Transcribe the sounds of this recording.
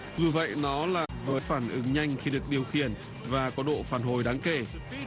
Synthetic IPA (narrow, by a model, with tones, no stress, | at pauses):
zɨ˨˩və̰˧˨jnɔ˨˦laː˨˩vəː˨˦jfaː˧˩nʔɨ˨˦ŋɲa˧jŋ̟xi˧ɗɨ˨˩ək̚ɗi˨˩əwxḭ˧˩ən | vaː˨˩kɔ˨˦ɗo̰˧˨faː˧˩nɦo˨˩jɗaː˨˦ŋke˧˩